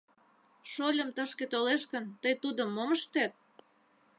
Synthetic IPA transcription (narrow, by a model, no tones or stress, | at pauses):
ʃolʲə̆mt̪əʃket̪oleʃkənt̪əjt̪ud̪ə̆mːoməʃt̪æt̪̚